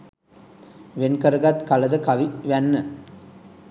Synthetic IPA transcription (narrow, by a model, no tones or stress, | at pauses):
ʋenkɐɾɡat̪kɐlɐðɐkɐʋiʋɐnːɐ